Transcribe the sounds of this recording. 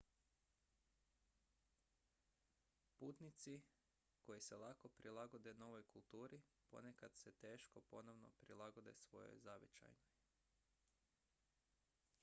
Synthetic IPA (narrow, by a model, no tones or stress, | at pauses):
puːt̪nit̪si | ko̞jiselˠako̞pɾilˠaɡo̞d̪e̞no̞ʋojkulˠt̪uːɾipo̞̰nekad̪se̞t̪e̞ːʃko̞po̞noʋno̞̰pɾilˠaɡo̞d̪e̞̰sʋo̞̰jo̰jzaʋet͡ʃa̰jnoj